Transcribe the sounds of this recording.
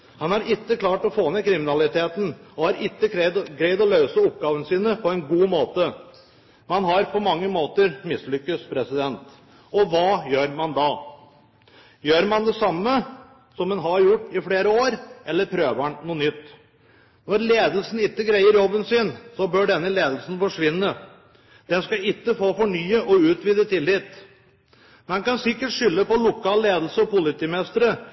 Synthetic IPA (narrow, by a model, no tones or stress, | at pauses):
hɑnhɑɾʔɪt̪ːəklɑːʈɔfoːmɛkʰɾɪmɪnɑlɪt̪ʰeːt̪n̩ɔhɑɾɪt̪ːəɛd̪ɡɾæɪd̪ɔlœʉsəʊp̚ɡɑːʋənsiːnəpʰɔɛnɡuːmoːt̪ə | mɑnɦɑɾpʰɔmɑŋːəmoːt̪əɾmɪslʏkːəspʰɾɛsɪd̪ɛnt̪ | ɔʋɑːjøːɾmɑnd̪ɑ | jøːɾmɑnd̪ɛsɑmːə | sɔmɛnɦɑɾjʊʈːɪfleːɾəoːɾʔɛlːəɾpʰɾøːʋəɳnuːnʏt̪ː | nɔɾleːd̪əlsn̩ɪt̪ːəɡɾæɪəɾjɔbːənsɪnsɔbœɖɛnːəleːd̪əl̩sn̩fɔʂʋɪnːə | d̪̥ɛnskɑɪt̪ːəfoːfɔɳyːəʔɔʉːt̪ʋiːd̪ət̪ʰɪlːɪt̪ː | mɛnkɑnsɪkːəʈʂʏlːəpɔlʊkʰɑːlleːd̪l̩səɔpʊlɪt̪iːmɛst̪əɾə